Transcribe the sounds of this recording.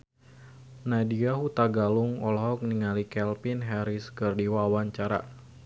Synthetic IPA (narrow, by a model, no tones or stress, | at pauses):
nadiaɦut̪aɡaluŋɔlɦɔk̚niŋalikɛlpinɦɛɾiskərdiwawaɲt͡ʃaɾa̰